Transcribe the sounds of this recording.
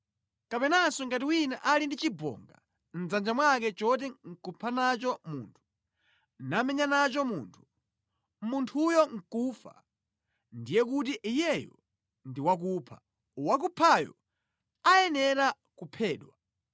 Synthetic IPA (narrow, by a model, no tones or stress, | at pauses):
kapɛnasɔŋɡatiwinaʔalindit͡ʃibɔ̰ːŋɡa̰ | n̩d͡zand͡ʒamwak̬ɛt͡ʃɔt̬ɛŋ̩kupʰanat͡ʃɔmṵːntʰu̥ | namɛɲanat͡ʃɔmuːntʰu̥ | muntʰujɔŋ̩kufa̰ | ndijɛkutiʔijɛjɔ̰ | ndiwak̬upʰa̰ | wak̬upʰajɔ̰ | ajɛnɛɾa | kupʰɛːɗwa